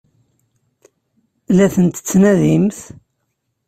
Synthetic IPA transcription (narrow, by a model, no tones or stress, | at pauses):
læθənt̪ə̥t͡sːnæðimθ